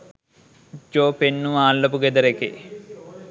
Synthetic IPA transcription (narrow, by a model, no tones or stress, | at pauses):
d͡ʒoːpenːuʋaːlːɐpuɡed̪ɐɾekḛ